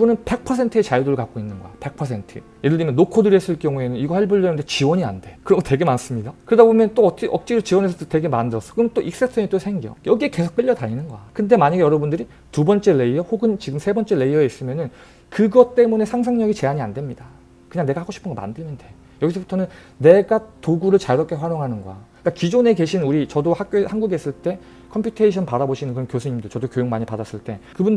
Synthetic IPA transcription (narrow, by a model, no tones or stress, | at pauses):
ibunɯnpe̞k̚pʰʌsʰe̞ntʰɯe̞t͡ɕajudoɾɯɭkak͈oinːɯnɡʌ̰ape̞k̚pʰʌsʰe̞ntʰɯ̰ | jeɾɯɭdimjʌnːokʰodɯɾiɦes͈ɯɭk͈jʌŋue̞nɯniɡʌheɭbuɭːʌnɯndet͡ɕiwʌɲia̰nde̞kɯɾʌmutwe̞ɡe̞mans͈ɯmɲidakɯɾedabomjʌnt͈oʌiʔʌk̚t͡ɕ͈idot͡ɕiwʌnesʰʌote̞ɡe̞mandɯɾʌs͈ʌ̥kɯmnt͈oʔik̚s͈etʰɯɲit͈osʰe̞ŋɡiʌ̰jʌɡie̞ke̞sʰo̥k̚p͈iʎːʌtaɲinɯnɡʌakɯnde̞maɲaɡejʌɾʌbundɯɾi | tubʌnt͡ɕ͈e̞le̞iʌhoɡɯnt͡ɕiɡɯmsʰe̞bʌnt͡ɕ͈e̞le̞iʌe̞is͈ɯmjʌnɯn | kɯɡʌt͈e̞mune̞sʰaŋsʰaŋɲʌɡit͡ɕe̞aɲia̰ndwe̞mɲida | kɯɲaŋne̞ɡahaɡoɕʰipɯnɡʌma̰ndɯɭmjʌnde̞ | jʌɡisʰʌbutʰʌnɯn | ne̞ɡatoɡuɾɯɭt͡ɕaɾʌk͈ʰe̞ɸwaɾjoŋɦanɯnɡʌ̰a̰ik͈akid͡ʑone̞ke̞ɕʰinuɾit͡ɕʌdohak͈̚johanɡuɡes͈ɯɭt͈e̞ | kʰʌmpʰjutʰeiɕʰʌnpaɾaboɕʰinɯnkɯɾʌnkjosʰuɲimdɯɭt͡ɕʌdokjojoŋmaɲipadas͈ɯɭt͈e̞kɯbund